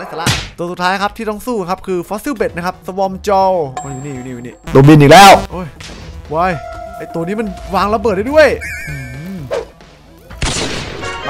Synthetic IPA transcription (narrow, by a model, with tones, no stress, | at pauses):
aː˧˥˩sa˧˩la˧˩t̪u˧əsu˨˩t̪ʰːaː˦˥jkʰa˦˥p̚t̪ʰiː˥˩t̪ɔ˥˩ŋsuː˥˩˧kʰa˦˥p̚kʰɯː˧fɔː˦˥si˥˩be˨˩t̪̚na˥kʰa˦˥p̚sa˧wɔ˧mt͡ɕɔ˧wʔo˧˩ju˨niː˧˩u˨˩niː˩˨u˨˩niː˧˥˩t̪u˧əbi˧nʔiː˨˩klɛː˦˥˩wʔɤː˧˩jwa˧˩jʔa˥˩jt̪u˧əniː˦˥ma˧nwaː˧ŋla˧bɤː˨t̪̚daː˥˩du˥˩əjʔɯː˧˩